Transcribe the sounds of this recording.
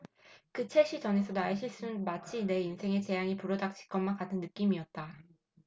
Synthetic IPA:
kɯt͡ɕʰeɕ͈it͡ɕʌne̞s̬ʰʌdaeɕʰiɭs͈unnmat͡ɕʰine̞insʰe̞ŋe̞t͡ɕe̞jaŋipuɾʌdak̚t͡ɕ͈ʰi̥k͈ʌnmankatʰɯnːɯk͈imiʌt̚t͈a

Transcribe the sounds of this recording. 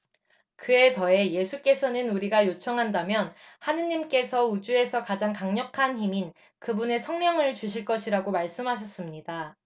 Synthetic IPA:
kɯe̞tʌe̞je̞sʰuk͈e̞sʰʌnɯnuɾiɡajot͡ɕʰʌŋɦandamjʌnhanɯɲimk͈e̞sʰʌud͡ʑue̞sʰʌkad͡ʑaŋkaŋɲʌkʰançimin | kɯbune̞sʰʌŋɲʌŋɯɭt͡ɕuɕʰiɭk͈ʌɕʰiɾaɡomaɭs͈ɯmɦaɕ̬ʰʌs͈ɯmɲida

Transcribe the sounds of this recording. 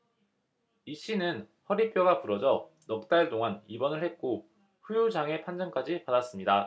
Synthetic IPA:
iɕ͈inɯn | hʌɾip͈joɡapuɾʌd͡ʑʌ | nʌk̚t͈aɭt͈oŋɦanibʌnɯɭhe̞t̚k͈o | ɸujud͡ʑaŋe̞pʰand͡ʑʌnk͈ad͡ʑipadas͈ɯmɲida

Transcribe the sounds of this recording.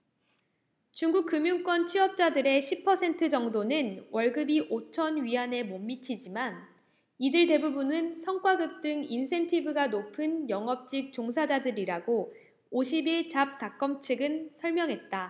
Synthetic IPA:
t͡ɕuŋɡuk̚k͈ɯmjuŋk͈wʌnt͡ɕʰiʌp̚t͡ɕ͈adɯɾe̞ɕʰipʰːʌsʰe̞ntʰɯd͡ʑʌŋdonɯnwʌɭɡɯbiʔot͡ɕʰʌnɥiɦane̞momːit͡ɕʰid͡ʑiman | idɯɭte̞bubunɯnsʰʌŋk͈waɡɯk̚t͈ɯŋinsʰe̞ntʰibɯɡanopʰɯnjʌŋʌp̚t͡ɕ͈ik̚t͡ɕ͈oŋs̬ʰad͡ʑadɯɾiɾaɡo | oɕ̬ʰibiɭt͡ɕap̚tak͈ʌmt͡ɕʰɯɡɯnsʰʌɭmjʌŋɦe̞t̚t͈a

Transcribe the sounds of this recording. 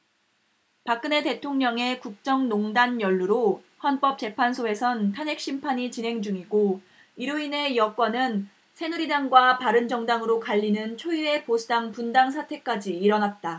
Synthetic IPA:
pak̚k͈ɯne̞te̞tʰoŋɲʌŋe̞kuk̚t͡ɕ͈ʌŋnoŋdanjʌɭːuɾo | ɸwanp͈ʌp̚t͡ɕ͈e̞pʰansʰoe̞sʰʌntʰane̞k̚ɕ͈impʰaɲit͡ɕinɦe̞ŋd͡ʑuŋiɡo | iɾuine̞jʌk͈wanɯn | sʰe̞nuɾidaŋɡwapaɾɯnd͡ʑʌŋdaŋɯɾokaʎːinɯnt͡ɕʰoie̞posʰudaŋpundaŋsʰatʰe̞k͈ad͡ʑiːɾʌnat̚t͈a

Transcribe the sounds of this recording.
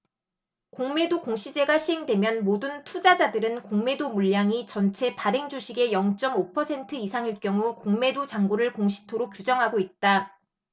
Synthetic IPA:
koŋme̞dokoŋɕʰid͡ʑe̞ɡaɕʰiɦe̞ŋdwe̞mjʌnmodɯntʰud͡ʑad͡ʑadɯɾɯnkoŋme̞domuʎːaŋit͡ɕʌnt͡ɕʰe̞paɾe̞ŋd͡ʑuɕʰiɡe̞jʌŋt͡ɕ͈ʌmopʰʌsʰe̞ntʰɯisʰaŋiɭk͈jʌŋukoŋme̞dot͡ɕaŋɡoɾɯɭkoŋɕʰi̥tʰoɾok͈̚jud͡ʑʌŋɦaɡoit̚t͈a

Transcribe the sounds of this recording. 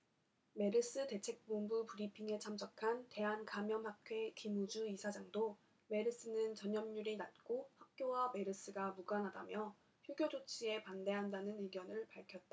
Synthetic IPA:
me̞ɾɯs͈ɯte̞t͡ɕʰe̞k̚p͈ombupuɾipʰiŋe̞t͡ɕʰams͈ʰʌkʰante̞ɦankamjʌmhakʰwe̞kimud͡ʑuisʰad͡ʑaŋdo | me̞ɾɯs͈ɯnɯnt͡ɕʌɲʌmɲuɾinat̚k͈ohak̚k͈jowame̞ɾɯs͈ɯɡamuɡanɦadamjʌ | çjuɡjod͡ʑot͡ɕʰie̞pande̞ɦandanɯnɯɭɡjʌnɯɭpaɭkʰjʌt̚t͈a

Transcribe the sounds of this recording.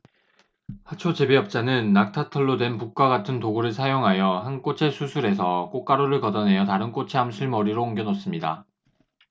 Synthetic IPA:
hat͡ɕʰot͡ɕebeʌp̚t͡ɕ͈anɯnːak̚tʰatʰʌɭːodwe̞npuk̚k͈aɡatʰɯntoɡuɾɯɭsʰajoŋɦajʌhank͈ot͡ɕʰe̞sʰusʰuɾe̞sʰʌk͈ok͈aɾoɾɯɭkʌdʌnɦe̞jʌtaɾɯnk͈ot͡ɕʰeɦamsʰuɭmʌɾiɾoːŋɡjʌnos͈ɯmɲida̰

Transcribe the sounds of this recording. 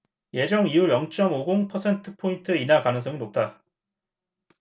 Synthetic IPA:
je̞d͡ʑʌŋiuɾjʌŋt͡ɕ͈ʌmoɡoŋpʰʌsʰe̞ntʰɯpʰointʰɯeinakanɯŋs̬͈ʰʌŋɯnop̚t͈a

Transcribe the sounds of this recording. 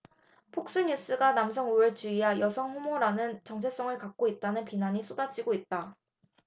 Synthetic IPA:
pʰok̚s͈ɯɲus͈ɯɡanamsʰʌŋuɯɭt͡ɕuiɦajʌsʰʌŋɸumoɾanɯnt͡ɕʌŋt͡ɕʰe̞s͈ʌŋɯɭkak̚k͈oit̚t͈anɯnpinaɲis͈ʰodat͡ɕ͈ʰiɡoit̚t͈a

